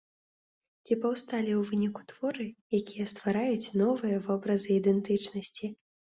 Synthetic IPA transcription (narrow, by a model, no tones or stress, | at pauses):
t͡sʲipɐwst̪alʲiwvɨnʲiku̥t̪v̥ɔɾɨjakʲijɛst̪vaɾajut͡sʲnɔvɨjɐvɔbɾɐzɨːd̪ɛnt̪ɨt͡ʂnɐsʲt͡sʲi